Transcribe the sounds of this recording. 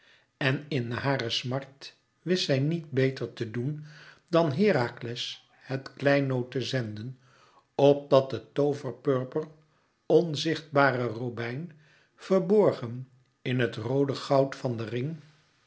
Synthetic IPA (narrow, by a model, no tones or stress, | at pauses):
ɛnɪnɦaːɾəsmɑɹt | ʋɪsɛjnit̚bejtəɹtədun | dɑnɦɪːɾaːklɛs | hətklɛjnowtəzɛndən | ɔp̚dɑt̚dətowvəɹpøɹpər | ɔnzɪχd̚baːrərowbɛjn | v̥əɹbɔɹχən | ɪnɦətrowdəχɑwtfɑndərɪŋ